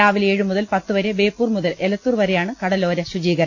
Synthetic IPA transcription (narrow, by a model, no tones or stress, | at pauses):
aːʋileːɻumuðɐlpɐt̪ːuʋɐɾebe̞ːpːuːrmuðɐlelɐt̪ːuːrʋɐɾejaːɳɨkɐɽɐlo̞ːɾɐɕud͡ʑiːɡɐɾɐ